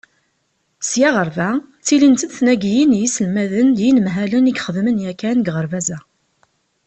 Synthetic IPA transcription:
sjæʁəɾvæt͡sːilint̪ənθnæɡjinjisəlmæðəndjinəmɦæləniɡχəðmənjækænɡʁəɾvæzæ

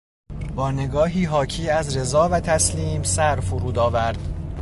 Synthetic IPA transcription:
bɒːne̞ɡɒːɦiːɦɒːcʰiːæzɾe̞zɒːvæt̪ʰæsliːmsæɾfuɾuːd̪ɒːvæɾd̪̥

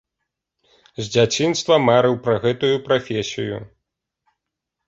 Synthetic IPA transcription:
zʲd͡zʲat͡sʲinst̪vɐmaɾɨwpɾɐɣɛt̪ujupɾafʲesʲijṵ

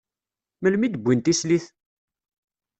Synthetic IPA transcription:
məlmid̪əbʷːint̪isliθ

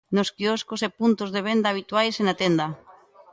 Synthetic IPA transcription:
noskiɔskosepunt̪ozðeβ̞end̪aːβ̞it̪wajsenat̪end̪a

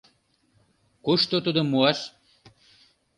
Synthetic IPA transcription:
kuʃt̪ot̪ud̪omuɑʃ

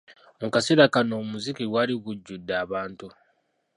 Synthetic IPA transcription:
mukaseɾakanoːmuzikiɡwaliɡuɟːudːaːβaːntu

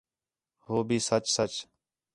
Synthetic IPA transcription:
hoːbʱiːsət͡ʃsət͡ʃ

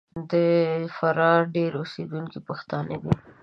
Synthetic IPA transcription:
d̪əfaɾɑɾɖeɾused̪unkipaxt̪ɑnəd̪i

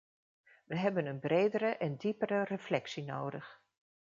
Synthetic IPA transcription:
ʋəɦɛbənənbrejdəɾəʔɛndipərərəflɛksino̰wdəx

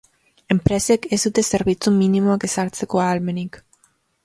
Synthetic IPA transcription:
empɾesekesud̪eseɾβit͡sumĩnimoakesaɾt͡sekoaalmenik

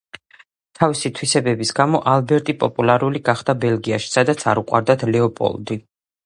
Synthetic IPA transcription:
t̪ʰavisit̪ʰwisɛbɛbisɡamɔʔalbɛɾt̪ʼipʼɔpʼulˠaɾuliɡaχd̪abɛlˠɡiaʃi̥sad̪at̪sʰaɾuqʼwa̰ɾd̪at̪ʰlɛɔpʼɔ̰lˠd̪i

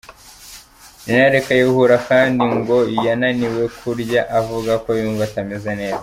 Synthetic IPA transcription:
ninaɾekajihuɾakaːndiŋɡo̞ijananiwe̞kʰuɾɟaʔavuɡako̞juːɱvatamezene̞ːza

